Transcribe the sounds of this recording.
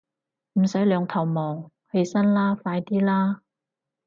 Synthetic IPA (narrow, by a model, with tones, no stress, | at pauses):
m̩˨˩sɐ˨˥jlœː˨˧ŋt̪ʰɐ˨˩wmɔː˨˩ŋ | he˧jsɐ˥nlaː˥faː˧jt̪iː˥laː˥